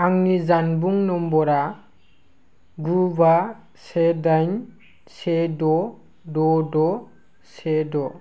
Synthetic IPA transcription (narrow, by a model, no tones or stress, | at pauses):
aŋnizanbuŋnɔmbɔɾa | ɡuba | sedajn | sedɔ | dɔdɔ | sedɔ